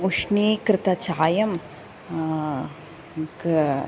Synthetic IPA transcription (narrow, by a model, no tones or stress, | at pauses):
uʃniːkɾɪt̪ɐt͡ʃaːjɐm | k